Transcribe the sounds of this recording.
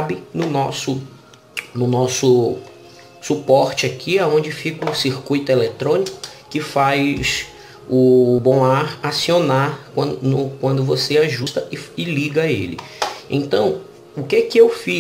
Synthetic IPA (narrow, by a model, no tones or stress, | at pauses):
bɪnʊnɔsʊ | nʊnɔsʊ | supɔɾt͡ʃɪakʰiaõd͡ʒɪfikʊsiɾkujt̪ʊelet̪ɾõnikʊ̥kɪfajs | ʊbõaɾasionakɐ̃nʊkwɐ̃nd̪ʊvoseaʒust̪ɐʔɪɪliɡɐḛlɪ̰ | ḛ̃nt̪ɐ̃w̃ | ʊkekɪewfi